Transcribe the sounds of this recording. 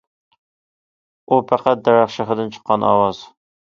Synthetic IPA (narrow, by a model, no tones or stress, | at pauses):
upʰæqæt̪̚d̪ɛɾɑχʃɪχɪd̪ɨnt͡ʃʰə̥qʰːɑnɑ̰wɑz̥